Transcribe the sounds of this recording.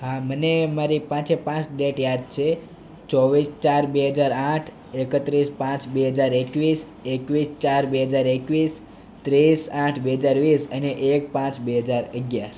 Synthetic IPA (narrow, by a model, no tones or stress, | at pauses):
ɦamənemaɾipãt͡ʃepãt͡ʃɖeʈjad̪̚t͡ʃʰe | t͡ʃɔʋist͡ʃaɾbeɦəd͡ʒaɾãʈʰ | ekət̪ɾispãt͡ʃbeɦəd͡ʒaɾekʋis | ekʋist͡ʃaɾbeɦəd͡ʒaɾekʋis | t̪ɾisãʈʰbeɦəd͡ʒaɾʋisəneʔek̚pãt͡ʃbeɦəd͡ʒaɾəɡjaɾ